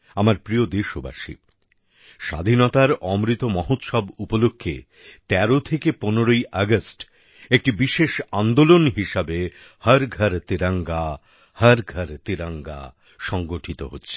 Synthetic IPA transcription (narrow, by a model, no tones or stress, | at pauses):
amaɾpɾiod̪eʃoba̰ʃḭ | ʃa̰d̪ʱinɔt̪aɾɔmɾit̪omɔɦot̪ʃɔbupolokʰːḛ | t̪ɛɾot̪ʰekeponeɾojʔaɡəsʈ | ek̚ʈibiʃeʃand̪olonɦiʃabe | həɾɡʱəɾt̪iɾaŋɡa | hɐɾɡʱəɾt̪iɾaŋɡa̰ | ʃɔŋɡoʈʰit̪o̰ɦotːɕʰe̥